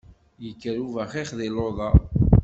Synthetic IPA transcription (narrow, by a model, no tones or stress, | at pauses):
jəkːəɾuvæχiχðiloðˤɑ